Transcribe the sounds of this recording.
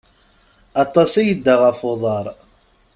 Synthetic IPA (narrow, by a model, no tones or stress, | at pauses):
ɑt̪ˤːɑsæjəd̪ːaʁəfoðˤɑɾˤ